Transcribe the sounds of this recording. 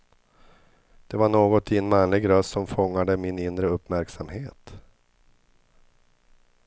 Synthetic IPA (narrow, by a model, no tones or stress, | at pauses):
d̪̥ɛvaɳoːɡɔt̪ɪɛnmanlɪɡɾœst̪sɔmfɔŋːad̪əmɪnɪnd̪ɾəɵpːmæɾksamheːt̪